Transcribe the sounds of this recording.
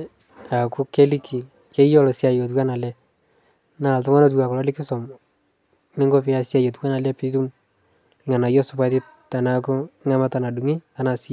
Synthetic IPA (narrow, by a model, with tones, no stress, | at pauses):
a˨ku˦ke˦li˦ki˨ | ke˦jɔ˦lɔ˨sja˨jo˨t̬kwa˦na˨lɛ˦ | na˦˨ltɔ˦ŋa˦no˦t̬wa˨kʊ˨lɔ˦lɪ˦kɪ˦sɔ˨m | nɪ˦ŋɡo˦pɪ˦a˨sja˦˨jo˨t̬ka˦na˨lɛ˦pɪ˦tu˦m | ɪ˦ŋa˨na˨jɔ˦sʊ˨pa˦tɪ˦t | ta˨na˦kʊ˦ɪ˦ŋa˦ma˦ta˨na˨du˨ŋi˦a˨na˨sɪ˦